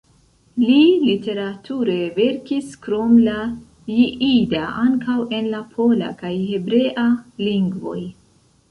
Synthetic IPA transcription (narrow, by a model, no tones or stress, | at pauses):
lilite̞ɾatʰuɾe̞ve̞ɾkiskɾo̞mla | jiʔidaʔaŋkawe̞nlapʰo̞la̰kajhe̞bɾe̞ʔaliŋɡvo̞̰j